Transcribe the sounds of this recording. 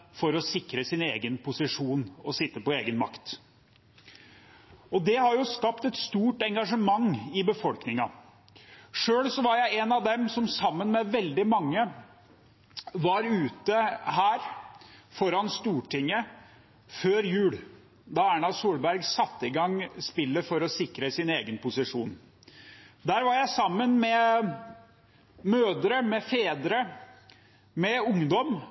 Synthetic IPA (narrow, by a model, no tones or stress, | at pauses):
fɔɾɔsɪkɾəsɪnḛːɡənpʰʊsɪʂuːnɔsɪt̪ːəpɔeːɡənmɑ̰kt̪ | ɔd̪ɛhɑɾjʊskɑpt̪ɛt̪st̪uːʈɛŋɡɑʂəmɑŋːɪbəfɔlknɪŋɑ | ʂøːlsɔʋɑɾjæɪɛnɑʋd̪ɛmsɔmsɑmːənmɛʋɛld̪ɪmɑŋːə | ʋɑɾʉːt̪əhæːɾfɔɾɑnst̪uːʈʰɪŋːə | føːɾjʉːl | d̪ɑæɳɑsuːlbæɾɡsɑt̪ːɪɡɑŋspɪlːəfɔɾɔsɪkɾəsɪneːɡənpʰʊsɪʂuːn | d̪æːɾʋɑɾjæɪsɑmːənmɛ | møːd̪əɾəmɛfeːd̪ɾə | mɛʊŋd̪ɔm